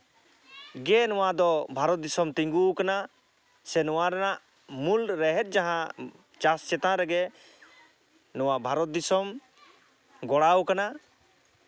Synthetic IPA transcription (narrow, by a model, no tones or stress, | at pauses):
ɡɛnɔwad̪ɔbʱaɾɔt̪̚d̪isɔmt̪iŋɡukana | sɛnɔwaɾɛnaʔ | mulɾɛɦɛt̪̚ˀd͡ʒaɦã | t͡ʃast͡ʃɛt̪ãɾɛɡɛ | nɔwabʱaɾɔt̪̚d̪isɔm | ɡɔɽawkana